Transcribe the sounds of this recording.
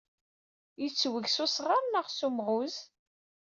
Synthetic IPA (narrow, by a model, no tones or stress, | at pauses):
jit͡sːwəʝsʊsʁaɾnəʁsumʁʊz